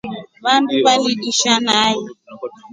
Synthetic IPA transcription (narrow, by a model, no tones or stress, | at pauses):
βanduβaliɗiʃanajɛ